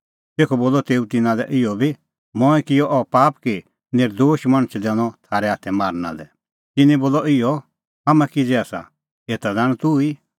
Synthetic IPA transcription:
t̪eːkʰɔboːlɔt̪eːut̪ɪnãlɛ̰ʔɪjɔbʱi | mɔ̃ːɛ̃kɪjɔʔɔpaːpki | neːɾd̪oːʃmɐɽ̃t͡ʃʰd̪ɛɽ̃ɔt̪ʰaːɾɛaːt̪ʰɛmaːɾna̰lɛ̰ | t̪ɪnɛ̃boːlɔɪjɔ | ɦamɛ̃kid͡zɛaːsa̰ | eːt̪ad̪aːɽ̃ɔ̃t̪ui

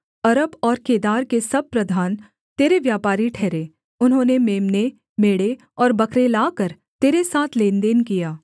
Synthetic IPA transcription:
ɐɾəbɔːɾkeːd̪aːɾkesɐb̚pɾɐd̪ʱaːn | t̪eːɾeʋjaːpaːɾiʈʰɛːɾe | ʊnɦõːnemeːmne | meːɽe | ɔːɾbɐkɾelaːkəɾ | t̪eːɾesaːt̪ʰleːnd̪eːnkijaː

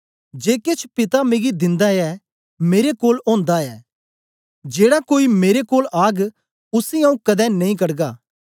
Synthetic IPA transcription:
d͡ʒeːkeːt͡ʃʰpɪt̪ameɡid̪ɪ̃nd̪aɛ | meːɾekoːlõːnd̪aɛː | d͡ʒeːɽakoːimeːɾekoːlʔaːɡ | ʊsĩãːũkɐd̪ɛnɐĩkɐɽɡaː

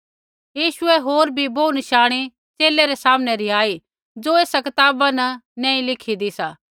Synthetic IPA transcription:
jiːʃʊɛɦoːɾbʱiboːunəʃaːɽ̃i | t͡ʃeːleɾesaːmnɛɾiaːi | d͡ʒoeːsakɐt̪aːbanɐnãːĩlɪkʰid̪isaː

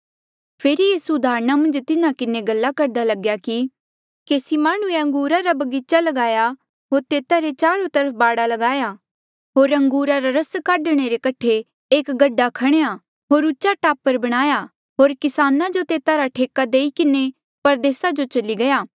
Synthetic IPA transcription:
pʰeːɾijiːsuʊd̪ʱaːɾñamɐ̃nd͡ʒt̪ɪnãkɪneɡɐlːakɐɾd̪alɐɡjaki | keːsimaːɽ̃ũeɐ̃ŋɡuːɾaɾabɐɡiːt͡ʃalɐɡaːja | ɦoːɾt̪eːt̪aɾet͡ʃaːɾot̪ɐɾəp̚ʰbaːɽalɐɡaːja | ɦoːɾɐ̃ŋɡuːɾaɾaɾɐskaːɖɽ̃eɾekɐʈʰːe | eːkɡɐɖːakʰɐɽ̃eja | ɦoːɾʊːt͡ʃːaʈaːpːəɾbɐɽ̃aːja | ɦoːɾkɪsaːnad͡ʒot̪eːt̪aɾaʈʰeːkad̪eːikɪne | pɐɾd̪eːsad͡ʒot͡ʃɐliɡɐjaː

